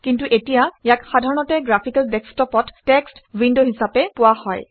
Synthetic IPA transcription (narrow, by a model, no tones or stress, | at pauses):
kintuʔetijajakxadʱaɹɔnɔtɛɡɹapʰikaldɛkstɔpɔttɛkstwindoɦisapɛpʊwahɔj